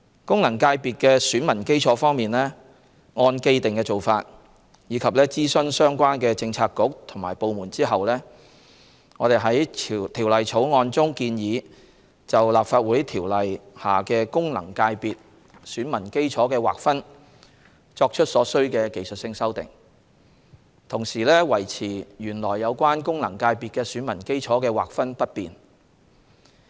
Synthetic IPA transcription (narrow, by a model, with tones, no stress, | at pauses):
kʊ˥ŋlɐ˨˩ŋkaː˧jpiː˨t̚kɛː˧syː˨˥nmɐ˨˩nke˥jt͡ʃʰɔː˨˥fɔː˥ŋmiː˨nlɛː˥ | ŋɔː˧nke˧jt̪ɪ˨ŋkɛː˧t͡so˨˩wfaː˧t̚ | jiː˨˧kʰɐ˨p̚lɛː˥t͡siː˥sɵ˥nsœː˥ŋkʷaː˥nkɛː˧t͡sɪ˧ŋt͡sʰaː˧t̚kʊ˨˥k̚t̪ʰʊ˨˩ŋma̰ː˨˩jpo˨˧wmuː˨˩nt͡siː˥ɦɐ˨wlɛː˥ | ŋɔː˨˧ɾe˨jɦɐ˨˥jt̪ʰiː˨˩wlɐ˨jt͡sʰo˨˥wŋɔː˧nt͡sʊ˥ŋkiː˧njiː˨˧ | t͡sɐ˨wlaː˨p̚faː˧t̚wuː˨˥jt̪ʰiː˨˩wlɐ˨jhaː˨kɛː˧kʊ˥ŋlɐ̰˨˩ŋkaː˧jpiː˨t̚ | syː˨˥nmɐ˨˩nke˥jt͡ʃʰɔː˨˥kɛː˧wa̰ː˨k̚fɐ˥n | t͡ʃɔː˧k̚t͡ʃʰɵ˥t̚sɔː˨˥sɵ˥ɥkɛː˧ke˨˧jsɵ˨t̚sɪ˧ŋsɐ˥wt̪ɪ̰˨˩ŋ | t̪ʰʊ˨˩ŋsiː˨lɛː˥wɐ˨˩jt͡sʰiː˨˩jyː˨˩nlɔː˨˩jːɐ˨˧wkʷaː˥nkʊ˥ŋlɐ˨˩ŋkaː˧jpiː˨t̚kɛː˧syː˨˥nmɐ˨˩nke˥jt͡ʃʰɔː˨˥kɛː˧wa̰ː˨k̚fɐ˥npɐ˥t̚piː˨n